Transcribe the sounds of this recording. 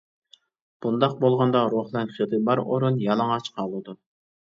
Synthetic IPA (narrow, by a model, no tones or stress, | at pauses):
b̥und̪ɑq̚bolˠʁɑnd̪ɑɾoχlˠɛnχit̪ʰɨbɑɾo̰ɾunjɑlˠɑŋɑt͡ʃqʰɑlˠud̪u